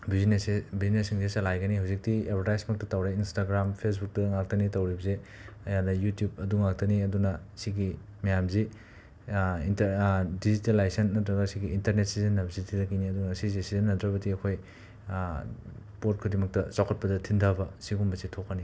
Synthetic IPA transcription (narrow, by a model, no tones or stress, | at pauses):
biznesbiznesiŋesɐlajɡɐniɦawzik̚tiebʰʱɐɾtajsmɐk̚tɐtawɾeinstaɡɾampʰes̬buk̚tɐŋak̚tɐnitɐwɾibɐze | ɐjadɐjutjub̚ɐduŋak̚tɐniɐdunɐsiɡi | mɐjamzi | intɐdizitelːajsɐnːɐtɾɐɡɐsiɡiːntɐɾnet̚sizenːɐbzitʰidɐkiniɐdunɐsizesizɐnːɐtɾɐbɐdiɐkʰoj | pot̚kʰudimɐk̚tɐsawkʰɐt̚pɐdɐtʰindʱabɐsiɡumbɐsitʰokːɐni